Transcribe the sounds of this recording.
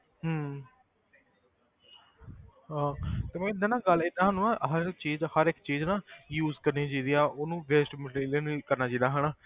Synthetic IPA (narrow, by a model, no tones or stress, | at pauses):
ɦə | ɦãːt̪eːmɛ̃ːɪd̪aːnãːɡəlɪd̪ãːɦənũːãːɦəɾt͡ʃiːd͡ʒhəɾɪkt͡ʃiːd͡ʒnãːjuːzkəɾnĩːd͡ʒaːd̪ijaːʔoːnũːʋɛːsʈməɖɾiːlənkəɾnaːd͡ʒiːd̪aːɦənaː